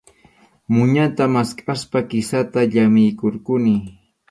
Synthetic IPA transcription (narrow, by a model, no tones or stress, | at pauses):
mʊɲat̪amaskʼaspakɪsat̪aʎamɪjkoɾkʊnɪ